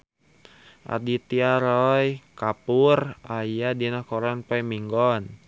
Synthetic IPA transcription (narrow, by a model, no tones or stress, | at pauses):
ʔa̰dit̪iaɾɔjkapurajadinakɔɾanpaimiŋɡɔn